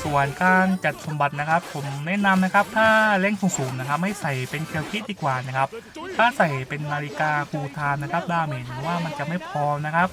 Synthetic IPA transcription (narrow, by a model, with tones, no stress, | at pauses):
su˨˩ənkaː˧nt͡ɕa˨˩t̪̚so˩˦mba˨˩t̪̚na˦˥kʰa˦˥pʰːo˩˦mnɛ˦˥ʔna˧mna˦˥kʰa˦˥p̚t̪ʰaː˥˩lɛ˥˩ŋsuː˨˩ŋsuː˩˦mna˦˥kʰa˦˥p̚ma˥˩jsa˨˩jpe˧nkʰi˧əwkʰi˦˥t̪̚ʔiː˨˩k̚ːwaː˨˩na˦˥kʰa˦˥p̚ | t̪ʰaː˥˩sa˨˩jpe˧nːaː˧li˦˥kaː˧kʰuː˧t̪ʰaː˧mna˦˥kʰa˦˥p̚daː˥˩maː˨˩˦nː˨˧˦waː˥˩ma˧nt͡ɕa˨˩ma˥˩jpʰɾɔː˧mna˦˥kʰa˦˥p̚